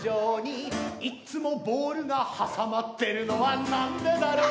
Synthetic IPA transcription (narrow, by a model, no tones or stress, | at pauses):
oːɲ̟iit͡sɨmo̞bo̞ːɾɯ̟ɡahasamat̪ːe̞ɾɯ̟no̞βanãnd̪e̞d̪aɾo